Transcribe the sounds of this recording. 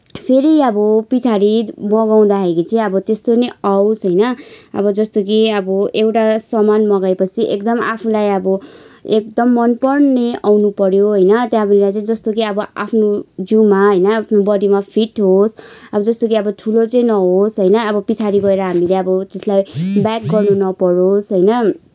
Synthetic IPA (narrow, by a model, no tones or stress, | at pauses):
pʰeɾiʌbʌpit͡sʰaɾimʌɡaw̃d̪aɦekit͡sʰiʌbʌt̪est̪onʌjawsɦʌjnʌʌ̰bʌd͡zʌst̪ok̬iʌbʌewʈasʌmanmʌɡaepʌt͡sʰiʔekd̪ʌmapʰulajʌbʌek̚d̪ʌmːʌnpʌrneawnupʌɾjoɦʌjnʌt̪jãbʌnilajt͡sʌĩd͡zʌst̪ok̬iʌbʌa̰pʰnod͡zumaɦʌjnʌapʰnobʌd̪imapʰiʈɦosʌbʌd͡zʌst̪ok̬iʌbʌʈʰulot͡sʌĩnʌɦosɦʌjnʌʌbʌpit͡sʰaɾiɡʌeɾʌɦamileʌbʌt̪eslajbjak̚ɡʌrnunʌpʌɾosɦʌjnʌ